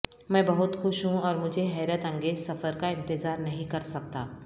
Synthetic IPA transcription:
mɛ̃ːbɐɦʊt̪xʊʃɦũɔːɾmʊd͡ʒʱeɦɛːɾət̪ɐ̃ŋɡeːzsɐfəɾkaɪ̃nt̪ɪzaːɾnɐɦĩkɐɾsɐk̚t̪aː

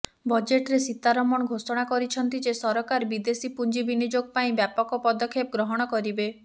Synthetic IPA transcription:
bɔd͡ʒeʈɾesit̪ːaɾɔmɔɽ̃ɔɡʱosɔɽ̃akɔɾit͡ʃʰɔnt̪id͡ʒesɔɾɔkaɾbid̪esipund͡ʒibinid͡ʒoɡ̚paĩbjapɔkɔpɔd̪ɔkʰːepɔɡɾɔɦɔɽ̃ɔkɔɾibe

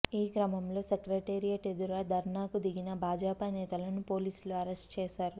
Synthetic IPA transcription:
iːkɾɐmɐmlo̞ːsekɾɐʈeːɾijaːʈed̪uɾad̪ʱɐɾɳaːkud̪iɡinɐbʱaːd͡ʒaːpanɛːt̪ɐlɐnupo̞ːliːsluɐɾesʈt͡ʃeːsaːɾu

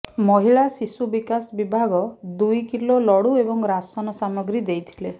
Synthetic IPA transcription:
mɔɦiɭasisubikasbibʱaɡɔd̪ujkilolɔɽuebɔŋɾasɔnɔsamɔɡɾid̪ejt̪ʰi̥le

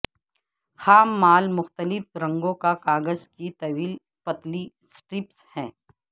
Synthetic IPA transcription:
xaːmːaːlmʊxt̪əlɪfɾɐ̃ŋɡõkakaːɡəzkit̪ɐʋiːl | pɐt̪li | sʈɾɪpshɛ̃ː

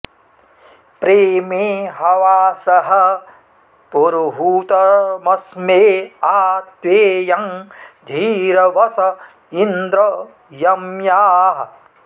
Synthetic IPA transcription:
pɾeːmeːɦɐʋaːsɐɦɐ | poɾuɦuːt̪ɐmɐsmeːaːt̪weːjɐŋd̪ʱiːɾɐʋɐsɐ | ind̪ɾɐ | jɐmjaːɦɐ

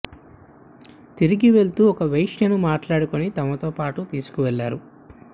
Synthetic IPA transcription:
t̪iɾiɡiʋe̞ɭt̪uːɔkɐʋɐjʂjɐnumaːʈlaːɽukonit̪ɐmɐt̪o̞ːpaːʈut̪iːsu̥kuʋɛɭːaːɾu

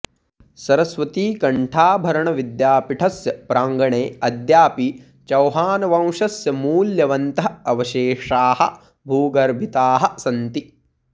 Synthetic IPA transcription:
sɐɾɐsʋɐt̪iːkɐɳʈʰaːbʱɐɾɐɳɐʋid̪jaːpiʈʰɐsjɐpɾaːŋɡɐɳeːɐd̪jaːpi | t͡ʃɐwɦaːnɐʋɐ̃w̃ʂɐsjɐmuːljɐʋɐnt̪ɐɦɐʋɐʃeːʂaːhɐ̰̆ | bʱuːɡɐɾbʱit̪aːɦɐ̆sɐnt̪i

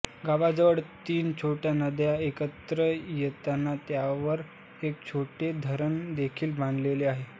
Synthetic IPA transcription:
ɡaʋad͡zəʋəɽt̪iːnt͡ɕʰoʈjanəd̪jaekət̪ɾəjet̪anːat̪jaʋəɾ | ek̚t͡ɕʰoʈed̪ʱəɾəɳd̪ekʰiːlbãnd̪leleaɦe

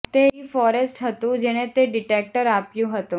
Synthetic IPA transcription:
t̪eifɔːɾesʈɦɐt̪ũd͡ʒeːñẽt̪eɖɪʈeːk̚ʈəɾaːpjũɦɐt̪ũ

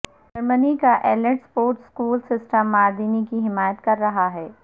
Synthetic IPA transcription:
d͡ʒɐɾmənikaʔɛːləʈspoːɾʈskuːlsɪsʈəmːaːɾd̪iːnikiɦɪmaːjət̪kɐɾːɐɦaɦɛː

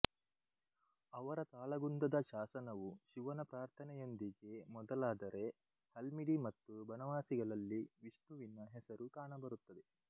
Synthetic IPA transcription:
ɐʋɐɾɐt̪aːlɐɡund̪ɐd̪ɐʃaːsɐnɐʋuʃiʋɐnɐpɾaːɾt̪ʰɐnɛjo̞nd̪iɡe̞mɔd̪ɐlaːd̪ɐɾe̞ | h̪ɐlmiɽimɐt̪ːubɐnɐʋaːsiɡɐɭɐlːiʋiʂnuʋinɐɦɛsɐɾukaːɳɐbɐɾut̪ːɐd̪e̞

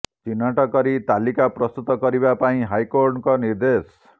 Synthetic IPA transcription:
t͡ʃinaʈɔkʌɾit̪alikaprʌst̪ut̪ɔkʌɾibapaĩɦajkoɾʈkɔniɾd̪es

